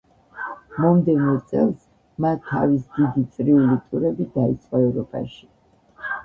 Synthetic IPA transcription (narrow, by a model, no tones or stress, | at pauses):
mɔmd̪ɛnɔt̪sʼɛ̰lˠs | mat̪ʰːa̰visd̪id̪it̪sʼɾiulit̪ʼuɾɛbid̪ait̪sʼqʼaɛvɾɔpʼa̰ʃi̥